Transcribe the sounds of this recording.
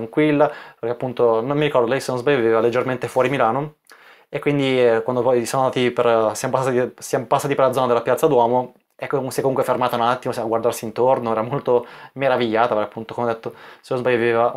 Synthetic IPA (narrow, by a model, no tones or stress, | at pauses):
ŋkwilːapeɾrkeapːunt̪onomːiɾikɔɾrd̪olɛjsenozbajːovivevaled͡ʒːerment̪efwɔːɾimilaːno | ekːwind̪ikwand̪opɔjsoːnonaːt̪ipersjamopasːat̪isjamopasːaːt̪iperlad̪zɔːnad̪elapjat̪sːad̪wɔːmo | ɛkːosɛkːomuŋkwefermaːt̪anat̪ːimosaɡward̪aɾrsiːnt̪ornoɛːɾamolt̪omeɾaviʎːaːt̪apeɾkːapːunt̪okomeɔd̪et̪ːosenozbaʎːavieva